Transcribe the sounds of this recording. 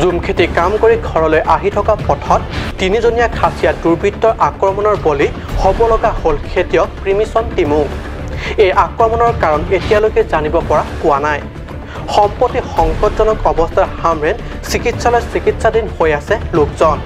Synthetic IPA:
zumkʰetikamkoɹiɡʱɔɹɔlojʔaɦitʰɔkapɔtʰɔtːinizonijakʰasijaduɹbitːɔɹʔakɹɔmɔnɔɹboli | xobɔlɔɡaholkʰetijɔpɹimisɔntimũ | ejʔakɹɔmɔnɔɹkaɹɔnetijalojkezanibɔpɔɹakʊwanaj | xɔmpɔtixɔŋxɔtzɔnɔkɔbɔstʰaɹhamɹɛn | sikitsalɔjsikitsadinhojasɛlokzɔn

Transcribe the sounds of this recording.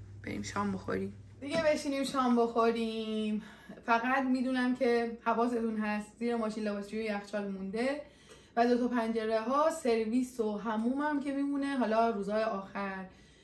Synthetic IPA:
b̥eɾḭmʃɒːmboxo̰ɾimd̪̥iɡe̞be̞ʃiːniːmʃɒːmbo̞xoɾim | fæɣæt̪miːd̪uːnæmcʰe̞hævɒːse̞t̪unɦæst̪ziːɾemɒːʃiːnlebɒːsd͡ʒujojæxt͡ʃʰɒːlmund̪e̞ | væd̪o̞t̪ɒpʰænd͡ʒe̞ɾeɦɒːse̞ɾviːso̞ɦæmuːmæmcʰe̞miːmune̞ɦɒːlɒːɾuːzhɒːjeʔɒːxæɾ

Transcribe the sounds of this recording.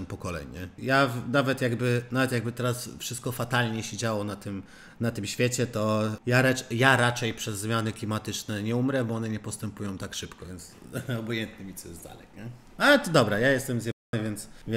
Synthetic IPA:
mpɔkɔlɛ̰ɲɛjavnavɛt̪jaɡbɘnavɛt̪jaɡ̚bɘt̪ɛɾasfʂɘst̪̚kɔfat̪alɲɛɕed͡ʑawɔnat̪ɘm | nat̪ɘmɕfʲjɛt͡ɕɛt̪ɔjaɾajaɾat͡ʂɛjpʂɛzːmʲjanɘklʲimat̪ɘt͡ʂnɛɲɛumɾɛbɔɔnɛɲɛpɔst̪ɛmpujɔ̃w̃t̪akʂɘpkɔvʲjɛnt̪sɔbɔjɛnt̪̚nɘmʲit̪sɔjɛzd̪a̰lɛkɲɛ | alɛt̪ɔd̪ɔbɾajajɛst̪ɛmzʲjɛanɨvʲjɛnt̪svʲ

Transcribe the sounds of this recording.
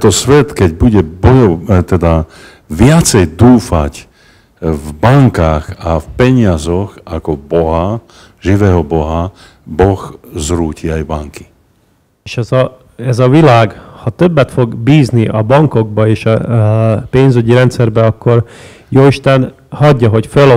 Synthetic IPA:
t̪ɔsʋɛt̪kɛɟbuɟɛbɔjɔt̪ɛd̪a | ʋɪat͡sɛjd̪uːfa̰c | vbaŋkaxafpɛɲɪazɔɣakɔbɔɦa | ʒiʋɛːɦɔbɔɦa | bɔxzɾuːciajbaŋki̥ | eːʃɛzɒ | ɛzɒʋilaːɡhɒt̪øbːɛt̪fo̞ɡbiːzniʔɒbɒŋko̞ɡ̚bɒeːʃɒ | peːnzyɟiɾɛnt̪sɛrbɛɒkːo̞r | joːiʃt̪ɛn | hɒɟːɒɦo̞cføl

